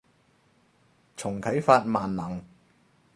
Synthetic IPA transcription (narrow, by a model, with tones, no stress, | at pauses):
t͡sʰʊ˨˩ŋkʰɐ˨˥jfaː˧t̚maː˨˩nːɐ˨˩ŋ